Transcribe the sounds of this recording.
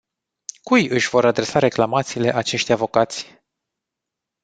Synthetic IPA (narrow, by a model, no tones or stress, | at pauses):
kujɨʃʲvo̞ɾad̪ɾe̞saɾe̞klamat̪siːle̞ʔat͡ʃe̞ʃt̪ʲavokat̪sʲ